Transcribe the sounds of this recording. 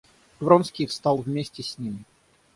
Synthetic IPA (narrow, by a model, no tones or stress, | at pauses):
d̪̥vɾonskʲist̪ɑlˠvmʲesʲtʲɪsʲnʲimʲɪ